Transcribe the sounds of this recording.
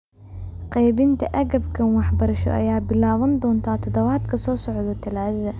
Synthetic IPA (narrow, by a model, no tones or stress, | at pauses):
qɛjβɪnt̪ʰɐʔɐɣɐbkʰɐnwɑħbɐɾɐʃɔ̰ʔɐ̰jaːbɪlaːβɐnd̪ɔːnt̪ʰaːt̪ʰɐd̪ɐβaːd̪kʰɐsɔːsɔʕðɔt̪ʰɐlaːðɐðɐ